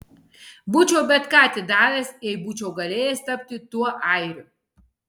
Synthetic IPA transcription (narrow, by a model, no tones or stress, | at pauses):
but͡ʃʰʲoːbʲɛt̪kaːt̪ʲɪd̪aːlʲɛːsɛjbut͡ʃʲoːɡɐlʲeːjɛst̪ɐpʲt̪ʲɪt̪uɔʔajɾʲʊ